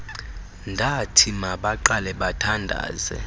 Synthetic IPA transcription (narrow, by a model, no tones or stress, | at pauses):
ndʱatʰimaɓaǃalɛɓatʰandʱa̰ːzɛ̰